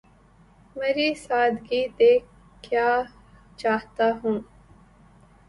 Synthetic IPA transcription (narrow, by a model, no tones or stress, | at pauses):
mɐɾiːsaːd̪ɡit̪eː | kjaː | t͡ʃaːɦt̪aɦũː